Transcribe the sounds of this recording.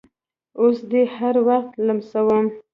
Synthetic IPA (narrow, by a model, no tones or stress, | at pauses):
osd̪ehaɾwaxt̪lamsawəm